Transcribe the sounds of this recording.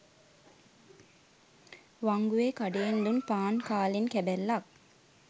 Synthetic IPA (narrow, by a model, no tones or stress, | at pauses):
ʋaŋɡuʋeːkaɖejenlunpaːnkaːlenkæbælːak̚